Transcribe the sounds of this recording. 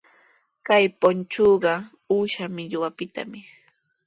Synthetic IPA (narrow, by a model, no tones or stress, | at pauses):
kajpont͡ʃoːɢɑ | uʃamɪʎwapɪt̪a̰mɪ